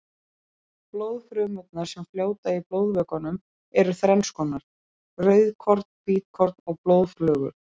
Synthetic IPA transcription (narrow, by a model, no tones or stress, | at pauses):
ploːwðfɾʏːmʏt̪naɾ̥sɛmfljoːwt̪aiplowðvœːkanʏm | ɛɾʏθɾɛnskɔnaɾ̥ | rœɥðkʰɔɾt̪̚n̥piːt̪̚kʰɔɾt̪̚nɔɣploːwðflœːɣʏ̰ɾ